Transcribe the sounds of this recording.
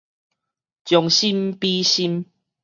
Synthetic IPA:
t͡ɕjɔ˨ŋɕi˦mpi˦ɕi˦m

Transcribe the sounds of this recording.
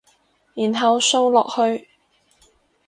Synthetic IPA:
jiː˨˩nɦɐ˨˧wso˥wlɔː˨k̚hɵ˧ɥ

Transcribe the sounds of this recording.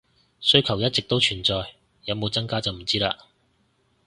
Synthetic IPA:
sɵ˥ɥkʰɐ˨˩wjɐ˥t̚t͡sɪ˨k̚t̪o˥wt͡ʃʰyː˨˩nt͡sɔː˨j | jɐ˨˧wmo˨˧wt͡sɐ˥ŋkaː˥t͡sɐ˨wm̩˨˩t͡siː˥laː˧

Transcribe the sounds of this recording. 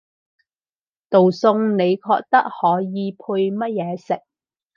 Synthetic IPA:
t̪o˨wsʊ˧ŋne˨˧jkʰɔ̰ː˧k̚t̪ɐ˥k̚hɔː˨˥jiː˨˧pʰu˧jmɐ˥t̚jɛː˨˧sɪ˨k̚

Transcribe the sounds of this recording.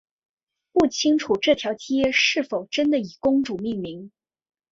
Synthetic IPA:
pu˥˩t͡ɕʰi˥ŋʈ͡ʂʰu˨˩ʈ͡ʂɤ˥˩t̪ʰjɑ˧˥ʊt͡ɕi˥jɛ˥˧ʂɻ̩˥˩fo˨˩ʊʈ͡ʂə˥nd̪ə˨i˨˩kʊ˥ŋʈ͡ʂu˨˩mi˥˩ŋmi˧˥ŋ

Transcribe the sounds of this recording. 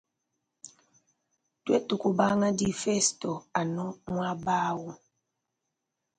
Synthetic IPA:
twɛ˦tu˨ku˨ba˦ŋa˦di˦fɛ˦stɔ˨a˨nɔ˦ŋwa˦baː˦wu˦

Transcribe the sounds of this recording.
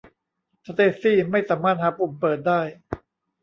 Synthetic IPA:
sa˧˥t̪eː˧˩siː˥˩ma˥˩jsaː˩˦mːaː˥˩t̪̚haː˩˦pu˨˩mpɤː˨˩t̪̚daː˥˩j

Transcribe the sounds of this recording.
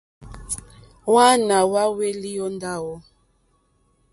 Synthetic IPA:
wa˦na˨wa˦we˦li˦ɔ˦nda˦wɔ˦

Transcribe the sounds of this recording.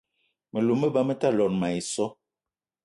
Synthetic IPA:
mə˨lu˨mə˦ba˦mə˦ta˦lɔ˨nma˨i˨sɔ˦

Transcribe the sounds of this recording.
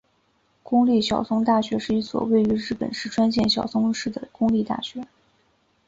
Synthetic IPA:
kʊ˥ŋli˥˩ɕjɑ˨˩ʊsʊ˥ŋt̪a˥˩ɕɥɛ˧˥ʂɻ̩˥˩i˥swɔ̰˨˩we˥˩ɪy˧˥ɻɻ̩˥˩pə̰˨˩nʂɻ̩˥˩ʈ͡ʂʰwa˥nɕ̬jɛ˥˩nɕjɑ̰˨˩ʊsʊ˥ŋʂɻ̩˥˩d̪ə̰˩kʊ˥ŋli˥˧t̪a̰˥˩ɕɥɛ˧˥

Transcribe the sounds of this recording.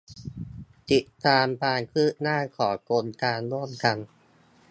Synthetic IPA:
t̪i˨˩t̪ːaː˧mkaː˧nkʰɯː˥˩naː˥˩kʰɔː˩˦ko˧nkaː˧nɾu˥˩əmka˧n

